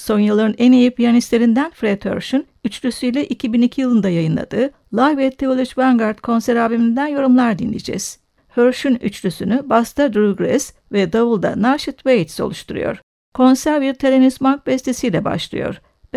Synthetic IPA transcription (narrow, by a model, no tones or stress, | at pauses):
so̞njɯlˠaɾɯnɛnejipʰijanist̪lʲeɾind̪ænfɾɛd̪hø̰ɾʃyn | yt͡ʃlʲysyjlʲɛʔicʰibinicʰijɯlˠɯnd̪ajajɯnlˠa̰d̪ɯː | lˠajvɛt̪ʰːeolʲˠut͡ʃvaŋɡaɾt̪kʰo̞nsæɾaːbimind̪ænjo̞ɾumlˠaɾd̪inlʲḛd͡ʒɛ̰z̥ | høɾʃyny̰t͡ʃlʲysynybast̪ʰad̪ɾuɡɾɛs | vɛd̪avɯlˠd̪a̰naɾʃɯt̪ʰvejt̪so̞̰lˠuʃt̪ʰuɾṵjo̞̰ɾ̥ | kʰo̞nsæɾviɾt̪ʰeɾenismak̚bɛst̪ʰesijlʲɛba̰ʃlˠɯ̰jo̞̰ɾ̥